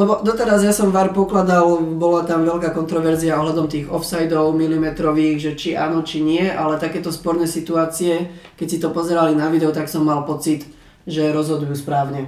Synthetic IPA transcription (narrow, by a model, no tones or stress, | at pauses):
lɛbɔd̪ɔt̪ɛɾazjasɔmʋaːɾpɔklad̪albɔlat̪amʋɛʎkaːkɔnt̪ɾɔʋɛɾziaɔɦlad̪ɔmt̪iːɣɔfsajd̪ɔʊmilimɛt̪ɾɔʋiːɣʒɛt͡ʃiʔaːnɔt͡ʃiɲɪɛʔalɛt̪akɛːt̪ɔspɔɾnɛsit̪uaːt͡siɛkɛcsit̪ɔpɔzɛɾalinaʋid̪ɛɔt̪aksɔmːalpɔt͡sit̪ | ʒɛɾɔzɦɔd̪ujuːspɾaːʊɲɛ